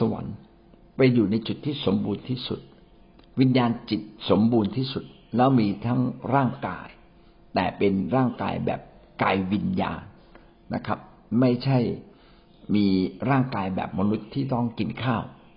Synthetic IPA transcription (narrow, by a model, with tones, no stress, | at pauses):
sa˧wa̰˩˦n | pa˧jːuː˨˩na˧jt͡ɕu˨˩t̪ʰːiː˥˩so˩˦mbuː˧nt̪ʰiː˥˩sṵ˨˩t̪̚ | wi˧njaː˧nt͡ɕi˨˩t̪̚so˩˦mbuː˧nt̪ʰiː˥˩su˨˩t̪̚lɛː˦˥wmiː˧t̪ʰa˦˥ŋɾaː˥˩ŋka̰ː˧j | t̪ɛː˨˩pe˧nɾaː˥˩ŋka̰ː˧jbɛ̰ː˨˩p̚kaː˧jwi˧nja̰ː˧nː | a̰˦˥kʰɾa˦˥p̚ | ma˥˩jt͡ɕʰa˥˩j | miː˧ɾaː˥˩ŋkaː˧jbɛ̰ː˨˩p̚ma˧nu˦˥t̪ʰːiː˥˩t̪ɔ˥˩ŋki˧nkʰaː˥˩w